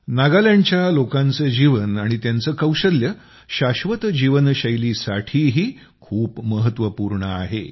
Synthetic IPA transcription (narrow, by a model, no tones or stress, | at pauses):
naɡaljaɲt͡ɕjalokãnt͡səd͡ʑiʋənaɽ̃it̪jant͡səːkəwɕəljə | ɕaɕʋət̪d͡ʑiʋənɕəjliːsaʈʰiːɦiː | kʰuːpməɦət̪ʋəpuɾɳəa̰ɦḛ